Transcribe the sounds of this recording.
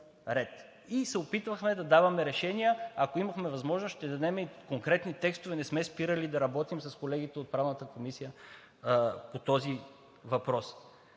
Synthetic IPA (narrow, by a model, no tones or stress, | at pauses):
ɾɛt̪ | isɛopit̪vəxmɛd̪ɐd̪avɐmɛɾɛʃɛnijəɐkoimɐxmɛvɐzmɔʒnosʃt̪ɛd̪ɐd̪ɛmɛikoŋkɾɛt̪nit̪ɛkst̪ovɛnɛsmɛspiɾəlid̪ɐɾɐbɔt̪imsɐskolɛɡit̪ɛot̪̚pɾavnət̪əkomisijə | pot̪ɔzi | vɐpɾɔs